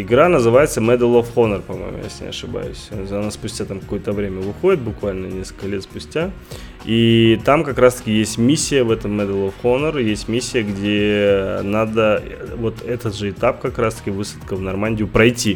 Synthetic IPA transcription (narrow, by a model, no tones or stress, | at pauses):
ɪɡɾanəzɨvajɪt̪səmɛd̪əlˠofxonərpɐmo̞̰j̰mʊ̰ja̰sʲnʲɪ̰ɐ̰ʂɨba̰jʊ̰sʲɐnaspʊsʲtʲat̪amkɐko̞jət̪əvɾʲemʲəvɨxo̞dʲɪt̪̚bʊkvalʲnənʲe̞skəlʲkəlʲe̞t̪spʊsʲtʲa | it̪amkɐkɾast̪ə̥kʲɪjesʲtʲmʲisʲːɪjəvɛt̪əmːɛd̪əlˠofxonəɾjesʲtʲmʲisʲːɪjəɡdʲenad̪əvo̞t̪ɛt̪əd̪ʐɨɪt̪ap̚kɐkɾast̪ə̥kʲɪvɨsə̥t̪kəvnɐrmanʲdʲɪjʊpɾɐjtʲi